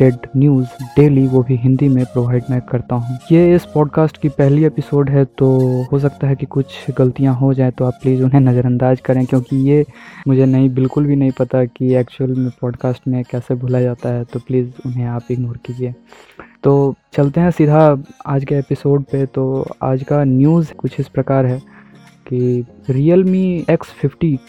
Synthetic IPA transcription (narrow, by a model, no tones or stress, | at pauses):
ʈɛɖnjuːzɖeːliʋobʱiɦɪ̃nd̪imẽpɾoːʋaːɪɖmɛ̃kɐɾt̪aɦũːjeɪspɔːɖkaːsʈkipɛɦliepɪsoːɖɦɛt̪oːɦos̬ɐkt̪aɦɛkikʊt͡ʃʰɡɐlt̪ijãɦod͡ʒaːẽt̪oaːpːliːzʊnɦẽnɐzəɾɐ̃nd̪aːd͡ʒkɐɾẽkjõːkijemʊd͡ʒʱenɐɦĩbɪlkʊlbʱinɐɦĩpɐt̪akiɛːkt͡ʃuəlmẽpɔːɖkaːsʈmẽkɛːsebʱoːlad͡ʒaːt̪aɦɛt̪opliːzʊnɦẽaːpeːknoːɾkid͡ʒiẽːt̪oːt͡ʃɐlt̪eɦɛ̃sɪd̪ʱaaːd͡ʒkeepɪsoːɖpet̪oa̰ːd͡ʒkanjuːzkʊt͡ʃʰɪspɾɐkaːɾɦɛː | kiɾiːəlmiɛkspʰɪfʰʈi